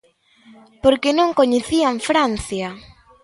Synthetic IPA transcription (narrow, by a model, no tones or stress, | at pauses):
poɾkenõŋkoɲeθiaɱfɾan̟θja